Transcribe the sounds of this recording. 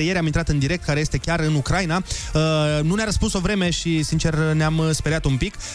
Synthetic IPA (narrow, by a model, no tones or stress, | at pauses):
ejeɾeamint̪ɾat̪ɨnd̪iɾe̞k̚t̪̚kaɾe̞jest̪e̞kʲaɾɨnukɾajnaənuneaɾəspunso̞vɾe̞me̞ʃisint͡ʃe̞rneamspeɾat̪umpik